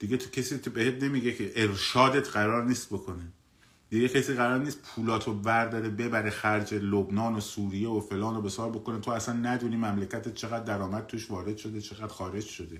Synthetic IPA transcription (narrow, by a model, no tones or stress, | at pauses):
d̪̥iɡet̪ʰocʰesiːobehet̪ʰne̞miːɟe̞cʰeʔeɾʃɒːd̪et̪ʰɢæɾɒːɾniːst̪̚bo̞kʰo̞ne | d̪̥iɡecʰesiːɣæɾɒːɾniːst̪̚pʰuːlɒːt̪ʰovæɾd̪ɒːɾebe̞bæɾexæɾd͡ʒelobnɒːnosuːɾijevofe̞lɒːnobe̞sɒːɾbo̞konet̪ʰoæsænːæd̪uːniːmæmlecʰæt̪et̪̚t͡ʃʰe̞ɣæd̪̚ːæɾɒːmæd̪̥̚t̪ʰuʃvɒːɾe̞d̪̥ʃo̞d̪et͡ʃʰe̞ɣæd̪̥xɒːɾe̞d͡ʒʃo̞d̪e̞